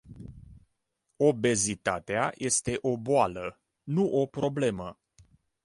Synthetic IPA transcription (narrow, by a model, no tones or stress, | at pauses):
o̞be̞zit̪at̪eajʔe̞st̪e̞ʔo̞boalə | nuʔo̞pɾo̞ble̞mə